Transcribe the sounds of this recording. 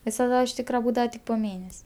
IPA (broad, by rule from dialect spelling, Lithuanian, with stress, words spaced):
ʋʲɪsɐˈdɐ ɪʃ ˈtʲiːkrɐ ˈbuːdɐʋɐ tʲɪk poː ˈmʲeːnʲɛsʲ